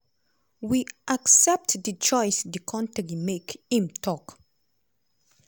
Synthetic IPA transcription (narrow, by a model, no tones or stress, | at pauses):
wiʔaksɛp̚tdət͡ʃɔjsdəkʰɔ̃ntɛɡimekĩmtʰɔk